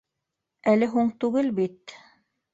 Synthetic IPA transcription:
ælɘɦuɴt̪ʉɡɘlbit̪

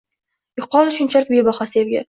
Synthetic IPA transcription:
jʊqʰːɒlˠɪʃʊnt͡ʃʰalɪk̚ʲbebɒχasevɡʲa̰

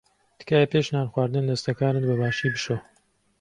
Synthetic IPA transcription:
t̪ɨ̥kaːjɛpeʃnaːnxwaːɾd̪ɨnd̪ɐst̪ɐkaːnɨnbɐbaːʃiːbɨʃo

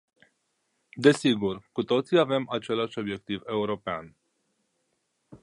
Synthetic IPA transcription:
d̪e̞siɡurkut̪o̞t̪siave̞mat͡ʃe̞laʃʲo̞bje̞k̚t̪ive̞uɾo̞pea̰n

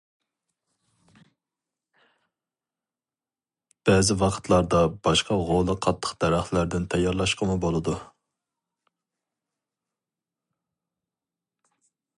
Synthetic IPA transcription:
b̥ɛzɪwɑqʰə̥t̪ʰlˠɑɾd̪ɑbɑʃqɑʁolˠɨqʰɑt̪ʰːə̥qd̪̥æɾæχt̪læɾd̪ɪnt̪ʰɛjɑɾlˠɑʃqʰəmubolˠɨd̪u

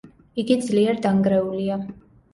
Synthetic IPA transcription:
iɡid̪zliɛɾd̪aŋɡɾɛulia

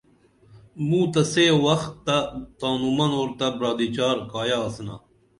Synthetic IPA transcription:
mũːt̪ɐseːwɐxt̪ːat̪aːnumɐnoːɾt̪ɐbɾaːd̪it͡ɕaːɾkaːjaːsna̰

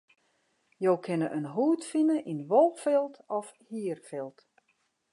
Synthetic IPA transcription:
jowkʰɪnəʔənɦuːtfinəʔinʋolˠfɪlˠtɔfhiərfɪlˠt

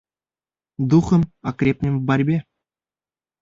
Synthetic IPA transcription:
d̪uχɤ̆mɑkrʲepʲnʲɘ̆mʲbɑrʲbʲe

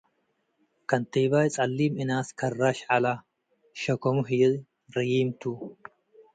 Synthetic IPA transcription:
kɐnt̪eːbaːjt͡sʼɐlːiːmɪnaːskʰɐrːaːʃala | ʃɐkɔmʊɦiːd | ɾɪjiːmt̪u

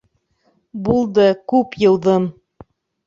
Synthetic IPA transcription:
bulˠd̪ɤkʉpjɤ̆wðɤm

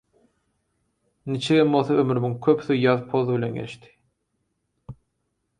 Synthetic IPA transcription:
nit͡ʃʰiɡemolˠθɑømyɾymyŋkʲʰøpθyjɑðpʰoðɯβilʲe̞nɡḛʃt̪i̥

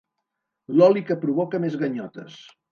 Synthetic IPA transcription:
lɔlikəpɾuβɔkəmezɣəɲɔt̪əs

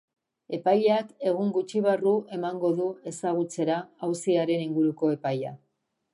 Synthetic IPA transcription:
e̞pajʎake̞ɣ̞uŋɡut͡ʃiβ̞aruʔe̞maŋɡo̞ðue̞saɣ̞ut͡se̞ɾaːwsiaɾe̞niŋɡuɾuko̞e̞paja̰

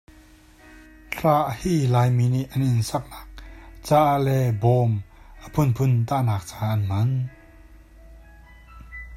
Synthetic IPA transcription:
tʰɾaːʔhiːlaːjminiʔʔanʔinsak̚lak̚t͡saʔlɛbɔːmʔapʰunpʰunt̪anaːk̚t͡saːʔanman

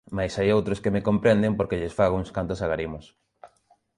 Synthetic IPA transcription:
majsajowt̪ɾoskemekompɾend̪empoɾkeʎesfaɣ̞oŋskant̪osaɣaɾimʊs

